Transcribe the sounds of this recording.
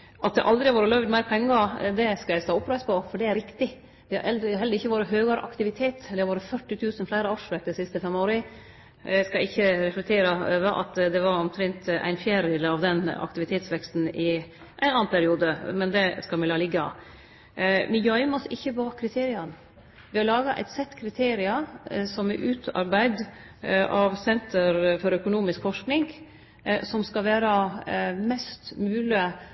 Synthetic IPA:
ʔɑt̪̚d̪ɛ̰ʔɑld̪ɾɪhɑʋoːɾəlœʋd̪mæɪɾpʰɛŋɡɑd̪ɛskɑjæɪst̪ɑːɔpɾæɪspɔfɔɖɛæɾɪkt̪ɪ | d̪ɪhɑ̰ʔɛld̪ɾɦɛləɾɪçːəʋoːɾəɦøːɡɑɾʔɑ̰kt̪ɪʋɪt̪ʰeːt̪d̪ɛhɑɾʋoːɾəfœʈːɪt̪ʰʉːsənflæɪɾəɑʂʋɛk̚t̪d̪ɛsɪst̪əfɛmoːɾə | æskɑɪçːəɾɛflɛk̚t̪ʰeːɾɑøʋəʔɑ̰t̪d̪ɛʋɑɾɔmt̪ʰɾɛnt̪ʔæ̰ɪnfjæːɾɪləɑʋd̪ɛnːɑ̰k̚t̪ɪʋɪt̪ʰeːt̪sʋɛkst̪n̩ɪ | ʔæɪnɑːnpʰæɾɪuːd̪əmɛnd̪ɛskɑlmɛlɑlɪɡːɑ̰ | mɪjœʏmɔsɪçːəbɑːkʰɾɪt̪ʰeːɾɪɑn | ʋɪhɑɾlɑːɡɑʔæ̰ɪt̪sɛt̪ːkʰɾɪt̪ʰeːɾɪɑsɔmɛʔʉːt̪ʰɑ̰ɾbæɪd̪ | ʔɑʋsɛnt̪əɾfɔɾœkʊnuːmɪskfɔʂknɪŋɡ | sɔmskɑʋæːɾɑmɛst̪mʉːlɪə

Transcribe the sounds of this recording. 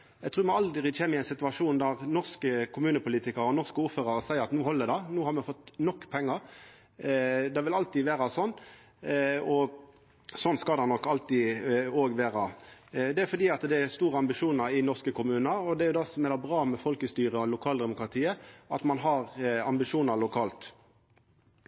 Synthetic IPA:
jæɡt̪ʰɾʉːɾmɔɑld̪ʁɪçeːməɪɛɪnsɪt̪ʋɑʂuːnd̪æʁnɔʁskəkʰʊmʉːnəpʊliːt̪ɪkəɾɔnɔʁskəuːɾføːʁəɾəsæɪəɾɑt̪nuːhɔlːəd̪ɑnuːhɑɾmɛfɔt̪ːnɔkːpʰɛŋːəɾ | d̪ɛʋɪlɑlt̪iːʋeːɾɑsɔnː | ɔ | sɔnskɑld̪ɑnɔkːɑlt̪ioːɡʋeːʁɑd̪ɛæfɔɾd̪iːɑt̪d̪ɛæst̪uːʁəɑmbɪʂuːnɑɾɪnɔʁskəkʰʊmʉːnɑɾɔd̪ɛæɾjʊd̪ɑsɔmɛlɑbɾɑːmɛfɔlkəst̪yːʁəɔlʊkʰɑːld̪ɛmʊkʁɑt̪ʰiːəɑt̪mɑnɦɑʁɑmbɪʂuːnɑɾlʊkʰɑːlt̪

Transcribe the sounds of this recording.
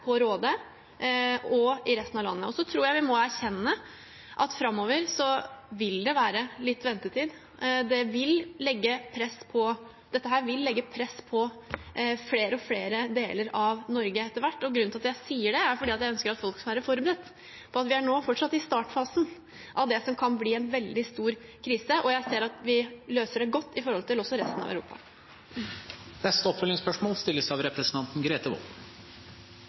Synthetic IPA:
pʰɔɾoːd̪ə | ɔɪɾɛst̪nɑʋlɑ̰nːəɔsɔt̪ʰɾuːɾjæɪʋɪmɔæɾçɛnːə | ʔɑt̪fɾɑmːoːʋəɾsɔʋɪld̪ɛʋæːɾəlɪt̪ːʋɛnt̪ət̪ʰiːd̪ | d̪ɛʋɪllɛɡːəpʰɾɛspʰɔ | d̪̥ɛt̪ːəɦæːɾʋɪlːɛɡːəpʰɾɛspʰɔ | fleːɾəɔfleːɾəd̪eːləɾɑʋnɔɾɡəɛt̪ːəʋæʈːɔɡɾʉnʰɑt̪jæɪsiːəɖɛæɾfɔɖiːɑt̪jæɪœnskəɾɑt̪fɔlksɔmʋæːɾəfɔɾbəɾɛt̪ː | pʰɔɑt̪ʋɪæɳoːfɔʈʂɑt̪ːɪst̪ɑːʈfɑːsn̩ | ʔɑʋd̪ɛsɔmkʰɑnbliːɛnʋɛld̪ɪst̪uːɾkʰɾiːsəʔɔjæɪseːɾɑt̪ʋɪløːsəɖɛɡɔt̪ːɪfɔɾhɔlt̪ʰɪlɔsɔɾɛst̪nɑ̰ʋæʉɾṵːpɑ̰ | nɛst̪əɔpfœlɪŋspœʂmoːlst̪ɪlːəsæɑʋɾɛpɾəsənt̪ʰɑnt̪nɡɾeːt̪əʋɔ̰l

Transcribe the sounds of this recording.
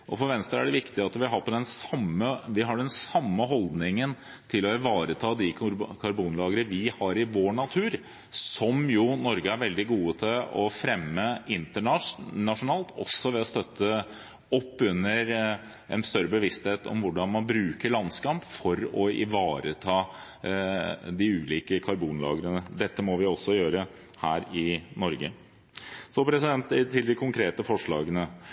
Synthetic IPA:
ʔɔfɔɾʋɛnst̪əɾæɖɛʋɪkt̪ɪɑt̪ʋɪɦɑɾpʰɔd̪ɛnsɑmːəʋɪɦɑɖɛnsɑmːəɦɔld̪nɪŋən | t̪ʰɪlɔɪʋɑːɾət̪ʰɑːd̪ɪkʰɑɾbuːnlɑːɡəɾəʋɪhɑɾɪʋoːɳɑt̪ʰʉːɾ | sɔmjʊnɔɾɡəæɾʋɛld̪ɪɡuːət̪ʰɪlɔfɾɛmːəɪnt̪əɳɑnɑʂʊnɑːlt̪ʰɔ̰sːɔʋɛɔst̪œt̪ʰːə | ɔpːʉnːəɾ | ʔɛ̰nst̪œɾːəbəʋɪst̪heːt̪ɔ̰mʋʊɖɑnmɑnbɾʉːkəɭɑnskɑmpfɔɾɔɪ̰ʋɑːɾət̪ʰɑː | d̪ɪʉːliːkəkʰɑɾbuːnlɑ̰ːɡəɾənəd̪ɛt̪ːəmɔʋɪɔsːɔjøːɾə | hæːɾɪnɔɾɡə̰ | sɔpʰɾɛsɪd̪ɛnt̪t̪ʰːɪld̪ɪkʰʊŋkʰɾeːt̪əfɔʂɭɑ̰ːɡənə

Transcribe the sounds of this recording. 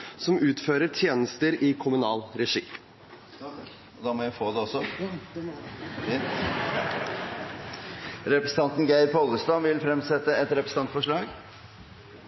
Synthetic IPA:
sɔmʉːt̪føːɾəʈʰjeːnəst̪əɾɪkʰʊmʉnɑːlɾɛʂḭː | ɔd̪ɑːmoːjæɪfoːd̪ɛɔsːɔ | ɾɛpɾəsə̥n̩ɑnt̪nɡæɪɾpʰɔlːəst̪ɑnʋɪlfɾɛmsɛt̪ːəɛt̪ɾɛpɾəsn̩ɑnt̪fɔʂɭɑːɡ

